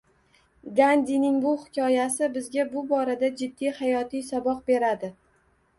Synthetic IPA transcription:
ɡand̪inɪŋbʊχɪ̥kʲɒjasɪbɪzɡʲabʊbɒɾad̪ad͡ʒɪd̪ːijhajɒt̪ʰijsabɒq̚be̞ɾad̪ɪ

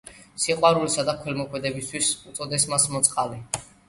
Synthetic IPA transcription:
siqʼwaɾulisad̪akʰɛlmɔkʰwɛd̪ɛbist̪ʰwisut̪sʼɔd̪ɛsmasmɔt̪sʼqʼali

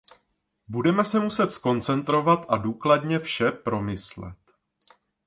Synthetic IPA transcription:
budɛmɛsɛmusɛt̪sko̞nt͡sɛnt̪ɾo̞vat̪ʔaduːkladɲɛfʃɛpɾo̞mɪslɛ̰t̪

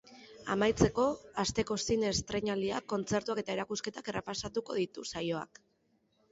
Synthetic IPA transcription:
a̰majt͡se̞ko̞ast̪e̞ko̞sinest̪ɾe̞ɲald̪ia̰kːo̞nt͡se̞ɾt̪uake̞t̪ae̞ɾakuske̞t̪ake̞repasat̪uko̞̰ðit̪usajo̞a̰k

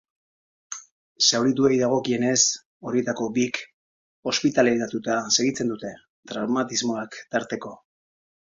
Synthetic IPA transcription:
sawɾit̪ue̞jðaɣ̞o̞kie̞ne̞s | o̞ɾiet̪ako̞bik | o̞spit̪aleɾat̪ut̪ase̞ɣit͡se̞nd̪ut̪e̞ | t̪ɾawmat̪izmo̞akt̪aɾt̪e̞ko̞

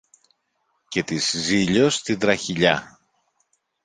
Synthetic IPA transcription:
ce̞t̪izziʎost̪id̪ɾɐçiʎɐ

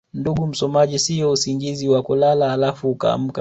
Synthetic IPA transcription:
nduɠum̩sɔmaʄisiɔusiŋɡiziwakulalahalafuuka̰ːm̩ka

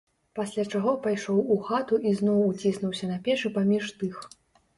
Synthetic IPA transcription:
pasʲlʲat͡ʂaɣɔpajʂɔwuxat̪uʔiznɔwːt͡sʲisnuwsʲɐnɐpʲɛʂɨpamʲiʂt̪ɨx

